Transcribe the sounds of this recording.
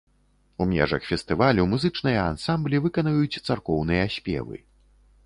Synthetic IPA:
umʲɛ̰ʐɐ̰xfʲɛst̪ɨvalʲɛwmuzɨt͡ʂnɨjɐansamblʲivɨkɐnvɐjut͡sʲt̪sarkɔwn̪ɨjɐsʲpʲɛ̰vɨ̰

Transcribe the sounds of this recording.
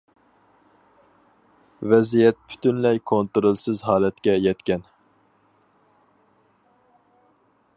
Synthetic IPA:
vɛzijɛt̪̚pʰy̥t̪ʰynlɛjkʰont̪oɾolˠsɨzɦɑːlɛt̪̚kʲɛjɛt̪kʲɛn

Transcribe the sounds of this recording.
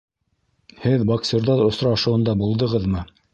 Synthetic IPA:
hɘðboksʲeɾd̪ɑðŏsɾɑːʃɤ̆wɤ̆nd̪ɑbulˠd̪ɤ̆ʁɤðmɤ

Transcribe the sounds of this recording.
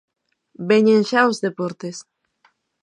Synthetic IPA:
beɲẽŋʃaozðepoɾt̪es

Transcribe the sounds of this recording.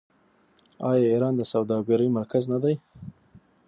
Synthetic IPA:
ɑjɑiɾɑnd̪əsawd̪ɑɡaɾəjmaɾkʰaznad̪aj

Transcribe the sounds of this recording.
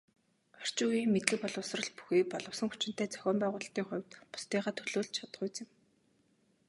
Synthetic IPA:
ɔr̥t͡ɕʊːiːŋmet̪ɮɘ̆k̚pɔɮʊ̆wsrə̆ɮpu̥xiːpɔɮɞ̆wsə̆ŋxut͡ɕɪ̆n̥t̪ʰæːt͡sʰœ̥xʲɔːmpæːʁʊːɮəɬt̪iːŋχʊ̟wʲt̪pʊ̥st̪iːʁaːt̪ʰɵɮoːɮt͡ɕʰat̪̆χʊːjt͡sɪ̆m

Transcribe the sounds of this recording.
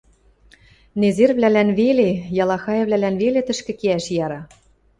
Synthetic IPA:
nezerβlælænβelejɑlˠɑxɑjɤ̆βlælænβelet̪ɘ̆ʃkɘ̆keæʃjɑɾɑ

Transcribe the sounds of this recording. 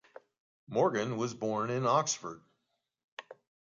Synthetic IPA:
mɔɹɡɨ̃nwʌzbɔɹnɪ̃nɑksfə̰˞d̥̚

